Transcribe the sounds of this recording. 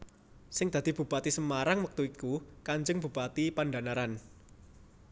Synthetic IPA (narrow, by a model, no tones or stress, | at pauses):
sɪŋd̪̥a̤d̪̥i̤b̥ṳb̥at̪isəmaɾaŋwək̚t̪uikukaɲd͡ʒəŋb̥ṳb̥at̪ipanɖanaɾan